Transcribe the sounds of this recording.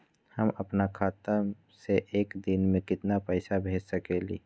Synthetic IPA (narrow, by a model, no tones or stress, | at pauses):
həməpnakʰaːt̪ə | seʔeːkd̪ɪnmẽkɪt̪napəɪsabʱeːd͡ʒsəkelḭː